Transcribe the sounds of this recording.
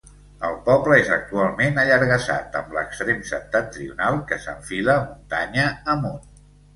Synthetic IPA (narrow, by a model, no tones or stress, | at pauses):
əlˠpɔpləezək̚t̪ualˠmenəʎəɾɣəsa̰t̪əmbləkst̪ɾemsəp̚t̪at̪ːɾiṵnalˠkəsə̰ɱfiləmunt̪aɲəəmon